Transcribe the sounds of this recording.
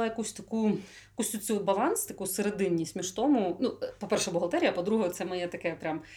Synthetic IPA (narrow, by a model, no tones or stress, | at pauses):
ɛjɐkusʲt̪ɐku | jɐkusʲt̪ʲut͡sʲubɐlˠɑnst̪ɐkuseɾed̪ɪnʲːisʲmʲiʃt̪ɔmʊnupɔpɛrʃɛbɔɦɐt̪ɛɾʲijɐpɔd̪ɾuɦɐjt̪sɛmɐjɛt̪ɐkɛpɾʲam